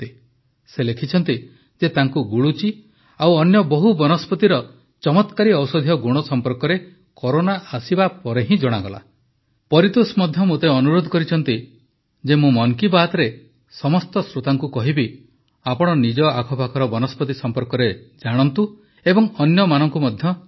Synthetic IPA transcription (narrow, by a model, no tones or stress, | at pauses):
t̪i | selekʰit͡ʃʰɔnt̪i | d͡ʒet̪aŋkuɡuɭut͡ʃi | awɔnjɔbɔɦubɔnɔspɔt̪iɾɔ | t͡ʃɔmɔt̪kaɾiɔwsɔd̪ʱijɔɡuɽ̃ɔsɔmpɔɾkɔɾe | kɔɾonaʔasibapɔɾeɦĩd͡ʒɔɽ̃aɡɔla̰ | pɔɾit̪usmɔd̪ʱjɔmot̪eɔnuɾod̪ʱɔkɔɾit͡ʃʰɔn̪t̪i | d͡ʒemũmɔŋkibaːt̪ɔɾe | sɔmɔst̪ɔsɾot̪aŋkukɔɦibi | apɔɽ̃ɔnid͡ʒɔakʰɔbʱakʰɔɾɔbɔnɔspɔt̪isɔmpɔɾkɔɾed͡ʒaɽ̃ɔnt̪u | ebɔŋɔnjɔmanɔŋkumɔd̪ʱjɔ